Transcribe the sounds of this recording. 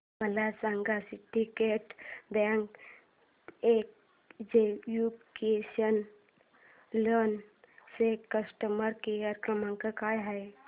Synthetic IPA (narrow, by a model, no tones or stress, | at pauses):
məlasãŋɡasiʈikeʈd̪ãŋɡ | ek̚ | d͡ʒejupkesən | lən | sekːəsʈəməɾkiaɾkɾəmãŋkəkajɦaj